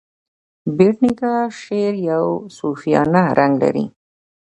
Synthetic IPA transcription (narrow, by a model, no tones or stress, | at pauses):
beʈnikaʃeɾjawsufijɑ̰naɾʔaŋɡla̰ɾḭ